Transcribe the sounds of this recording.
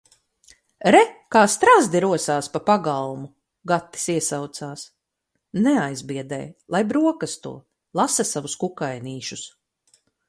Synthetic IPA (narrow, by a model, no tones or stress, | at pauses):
ɾɛkaːst̪ɾazd̪iɾuɔsaːspapaɡalˠmu | ɡat̪ːi̥siɛsawt̪saːs | nɛajzbiɛd̪ɛ̰ːjlˠajbɾuɔkast̪ṵɔ | lˠasasavuskukajniːʃus